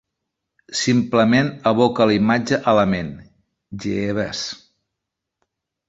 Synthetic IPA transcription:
simpləmenəβokəlimad͡ʒəʔələmen | ʒeeβə̰s

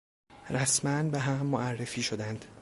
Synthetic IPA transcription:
ɾæsmænbeɦæmːoʔærːefiːʃod̪ænd̪̥

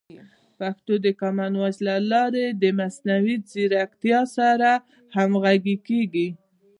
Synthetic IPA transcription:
paxt̪od̪əkamanwazlalɑɾed̪əmasnawid͡ziɾak̚t̪jɑsaɾa | hamɣaɡikeɡi

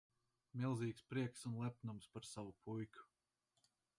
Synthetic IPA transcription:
milˠziːkspɾiɛksunlˠɛp̚numspaɾsavupʰujkʲu̥

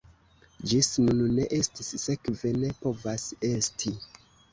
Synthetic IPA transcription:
d͡ʒisnunne̞ʔe̞stisːe̞kve̞ne̞po̞vase̞stʰi

